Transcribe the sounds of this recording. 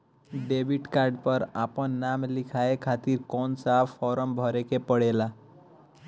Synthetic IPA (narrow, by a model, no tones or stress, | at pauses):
ɖebʱiʈkaɾɖpəɾa̰pənːamlikʰaekʰat̪iɾkɔnsapʰɔɾəmbʱɔɾekepəɽela